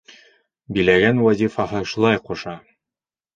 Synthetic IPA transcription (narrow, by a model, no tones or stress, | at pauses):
bilæɡænwɑzʲifɑɦɤʃulˠɑjquʃɑ